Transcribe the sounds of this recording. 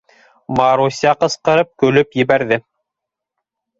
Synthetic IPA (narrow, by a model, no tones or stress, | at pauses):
mɑɾusʲɑqɤ̆sqɤ̆ɾɤp̚kɵ̆lɵpjɘ̆βæɾðɘ